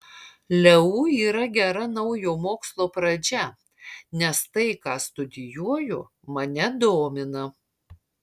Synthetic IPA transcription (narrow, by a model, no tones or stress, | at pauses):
lʲɛuːiːɾɐɡʲɛɾɐnɐʊjoːmoːkslˠoːpɾɐd͡ʒʲɛ | nʲɛst̪ɐɪkɑːst̪ʊd̪ʲɪjuɔjʊ | mɐnʲɛd̪oːmʲɪnɐ